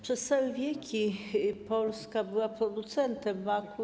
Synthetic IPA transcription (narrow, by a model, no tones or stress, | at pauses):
pʂɛst̪sawɛvʲjekʲipɔlskabɘwapɾɔd̪ut̪sɛnt̪ɛmːaku